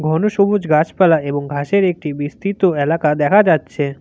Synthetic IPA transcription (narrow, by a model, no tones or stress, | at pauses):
ɡʱɔnoʃobud͡ʑɡat͡ɕpɛlaeboŋɡʱaʃeɾek̚ʈibist̪it̪oelakad̪ɛkʰad͡ʑatːɕʰe